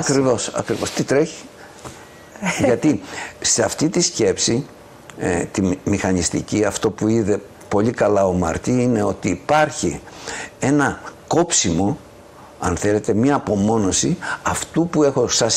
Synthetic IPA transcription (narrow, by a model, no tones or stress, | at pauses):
ɐkɾɾivo̞sɐ̰kɾivo̞st̪it̪ɾe̞çi̥ | ʝɐt̪ise̞ɐft̪it̪isce̞psi | t̪imixɐnist̪ḭciɐft̪o̞puiðe̞ | po̞likɐlɐo̞mɐ̰ɾt̪iine̞o̞t̪iːpɐɾçi | e̞nɐko̞psimo̞ | ɐ̰nθe̞le̞t̪e̞mɐːpo̞mo̞no̞siɐft̪upue̞xo̞sɐs